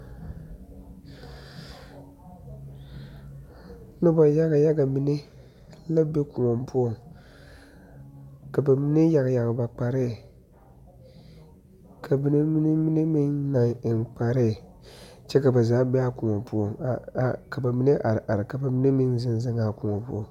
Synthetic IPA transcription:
nɨ˦bo˨ja˦ɡa˨ja˦ɡa˨mi˦ni˦ | la˦be˦ku˨ŋɔ˨mpʊ˦ɔ˦ŋ | ka˨ba˨mi˦ni˦ja˨ɡja˨ɡba˨k͡pa˨ɾɪ˦˨ | kʰa˨bi˦ni˦mi˦ni˦mi˦ni˦mi˦ŋna˨ŋ˨k͡pa˨ɾɪ˦˨ | t͡ʃɛ˦ka˨ba˨zaː˨˦be˦a˦ku˨ŋɔ˨mpʊ˦o˨ŋ˨ka˨ba˨mi˦nɨ˦ʔa˨ɾʔa˨ɾɪ˨ka˨ba˨mi˦ni˦mi˦nzɪ˦nzɪ˦ŋaː˨ku˨ŋɔ˨mpu˦o˦˨ŋ

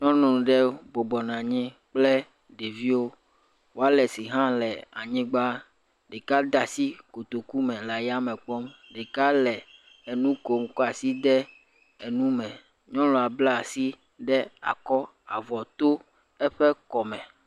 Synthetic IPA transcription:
ɲɔ̃˦nũ˨ɖɛ˦bɔ˨bɔ˨nã˨ɲɛ̃˦ | k͡plɛ˦ | ɖe˨vi˦wo˦ | wo˦a˦lɛ˨si˨ɦã˦lɛ˨a˨ɲĩ˦ɡ͡ba˦ | ɖe˨ka˦d̪a˨si˦ko˨t̪o˨ku˦mɛ̃˨la˨ja˦mɛ̃˨k͡pɔ˦mɖe˨ka˦lɛ˨ | e˨nũ˦ko˨m˦kɔ˦a˨si˦d̪ɛ˦ | e˨nũ˦mɛ̃˨ | ɲɔ̃˦lɔ˨a˨bla˦˨si˦ | ɖɛ˦a̰˨kɔ˦ | a˨vɔ˨t̪o˦ | ɛ˦ɸɛ˦kɔ˨mɛ̃˨

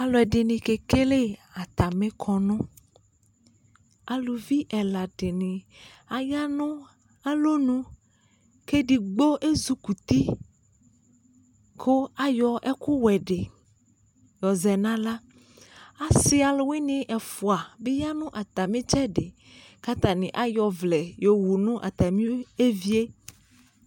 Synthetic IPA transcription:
a˨lɔ˨ɛ˨ɖe˨nĩ˨ke˨ke˦le˦a˨t̪a˨mẽ˦kʰɔ˨nũ˦ | a˨lu˨vi˦ʔɛ˨la˨ɖe˨nĩ˨ | a˨ja˦nũ˦ | a˦lo˦nũ˦ | ke˦ɖi˨ɡ͡bo˦ʔe˦zu˦ku˨t̪i˦ | kʰo˦a˨jɔ˨ʔɛ˦ku˦wɛ˨ɖe˨ | jɔ˨zɛ˨nã˦la˦ | a˨sɪ˦a˨lo˨wi˦nĩ˨ʔɛ˨fu˨a˨be˦ja˦nʊ̃˦ʔa˨t̪a˨mĩ˦t͡ʃɛ˦ɖe˨ | ka˦t̪a˨nĩ˨ʔa˦jɔ˨vlɛ˨jo˨wu˨nũ˦ʔa̰˨t̪a˨mĩ˦e˦vi˦e˦

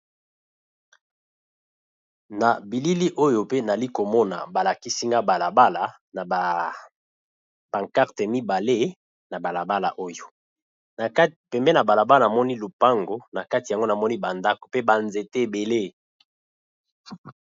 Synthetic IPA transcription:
na˨bi˨li˦li˦ʔo˦jo˨pe˦na˨li˦ko˨mɔ˦na̰˨ba˨la˨ki˦si˦ŋɡa˦ba˨la˨ba˦la˨ | n˨ | b̥a˨ŋka˦ʁte˨mi˦ba˨le˦ | na˨ba˨la˨ba˦la̰˨ʔo˦jo˨ | na˨ka˦˨pɛ˨mbɛ˦na˨ba˨la˨ba˦lna˨mɔ˦ni˦lu˨pa˦ŋɡo˨na˨ka˦ti˨ja˨ŋɡo˦na˨mɔ˦ni˦ba˨nda˦ko˨pe˦ba˨nze˨te˦e˨be˨le˦

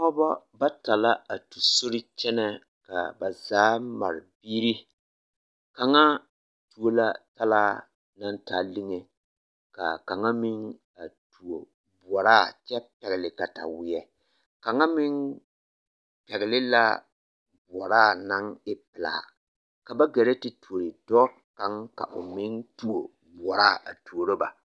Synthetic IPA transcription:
ɔ˦bɔ˦ | ba˦ta˨la˦a˨tu˨so˦ɾɪ˦t͡ʃɛ˦nɛ˦ | ka̰˨ba˨zaː˨˦ma̰˨ɾɪ˨biː˦ɾi˦ | ka˨ŋa˦ | tu˨o˦la˦ta˦la˦ | na˦nta˨lɪ˦ŋe˨ | ka̰˨ka˨ŋa˦mɪ˦ŋ | a˨tu˨o˨ | bʊ˨ɔ˨ɾa˦˨t͡ʃɛ˦pɛ˨ɣɪ˨lɪ˨ka˨ta̰˨wɪ˨ɛ˨ | ka˨ŋa˦mɪ˦ŋ | pɛ˨ɣɪ˨lɪ˦la˦ | bʊ˨ɔ˨ɾaː˦˨na˦ŋɪ˦pɪ˨la̰˨ | ka˨ba˦ɡɛ˨ɾɛ˦tɪ˦tu˨o˨ɾɪ˨dɔ˦ | ka˨˦ŋka̰˨ʔʊ̰˨mɪ˦ntu˨o˨ | bʊ˨ɔ˨ɾaː˦˨a˨tu˨o˨ɾo˦ba̰˨

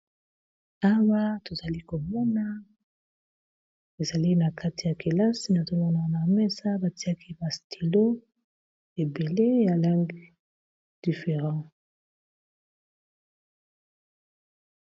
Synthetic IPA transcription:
a˦wa˦to˨za˨li˦ko˨mɔ˦na˦ | e˨za˨li˦na˨ka˦ti˨ja˨ke˨la˦si˦na˨to˨mɔ˦na˦˨na˨mɛ˦sa˦ba˨ti˦a˦ki˦ba˨stʰi˨lo˦ | e˨be˨le˦ja˨la˦ŋɡi˦ | d̥i˨fe˨ʁɑ̃˦

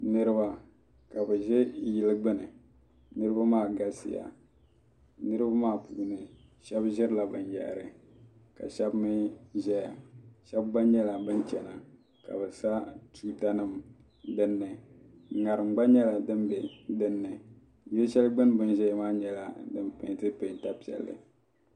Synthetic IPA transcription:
nɨ˦ɾɨ˦ba˨ | ka˨bɨ˨ʒɛ˦jɪ˨lɨ˦ɡ͡bɨ˦nɨ˨ | nɨ˦ɾɨ˦ba˦maː˦˨ɡa˦sɪ̰˨ja̰˨ | nɨ˦ɾɨ˦ba˦maː˦˨pu˨nɨ˨ | ʃɛ˦bʒɪ˦ɾɨ˦la˨bɨ˨njɛ̰˨ʔɾɨ˨ | ka̰˨ʃɛ˦bmɨ˦ʒɛ˦ja˨ʃɛ˦bːa˦ɲɛ˦la˨bɨ˦nt͡ʃɛ˨na˨ | ka̰˨bɨ˨sa˦tʰuː˦ta˦nɨ˦m | dɨ˨nːɨ˨ | ŋa˨ɾɨ˨mɡ͡ba˦ɲɛ˦la˨dɨ˦mbe˨dɨ˨nːɨ˨ | jo˦ʃɛ˦lɡ͡bɨ˦n˦bɨ˦nʒɛ˦jmaː˦ɲɛ˦la˨dɨ˦mpḛ˨tɨ˦pe˨ta˦pi˨ɛ̰˨lːɨ̰˨

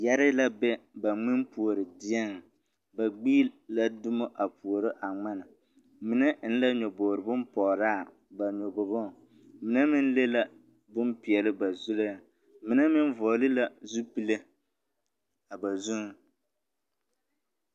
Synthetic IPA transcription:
ja˦ɾɪ˦la˦bɛ˦ba˨ŋ͡mɪ˦mpu˨o˨ɾɪ˨dɪ˦ɛ˦ŋ˨ | ba˨ɡ͡bi˦la˦dʊ˦mo˦ʔa˨pu˨o˨ɾɪ˦ʔa˨ŋ͡ma˦na˨ | mɪ˨nɛ˦n̩˦la˦ɲɔ˨boː˨ɾɨ˨bʊ˦mpɔː˨ɾaː˦˨ | ba˨ɲɔ˨bo˨bo˦˨ | mɪ˨na˦mɪ˦n˦le˦la˦ | bʊ˦mpi˨ɛ˨lɪ˦ba˨zu˦la˦˨ | mɪ˨na˦mɪ˦n˦vɔː˨lɪ˦la˨zu˦pi˨le˦ | a˨ba˨zu˦ŋ˦

